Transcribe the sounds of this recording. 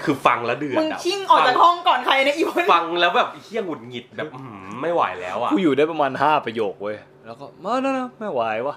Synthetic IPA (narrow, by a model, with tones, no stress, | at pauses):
kʰɯː˧fa˧ŋlɛː˦˥wdɯ˨˩əmɯ˧n˨˦˨t̪ʰi˥˩ŋʔɔː˨˩t͡ɕaː˧k̚hɔ˥˩ŋkɔː˨˩nkʰa˧ja˧na˧˥ʔi˨˩˧na˧ŋlɛː˦˥wbɛː˨˩p̚hʰi˥˩əŋu˨˩t̪̚ŋi˨˩t̪̚bɛː˨˧˩p̚hma˥˩jwa̰ː˨˩jlɛː˦˥wʔa˨˩uː˧˩juː˨˩daː˥˩jpɾa˧maː˧nɦaː˥˩pɾa˧joː˨˩k̚wɤː˧j | lɛː˦˥wkɔː˥˩ma˧˥˩na˦˥na˦˥ma˥˩jwa˨˧˦jwaː˥˩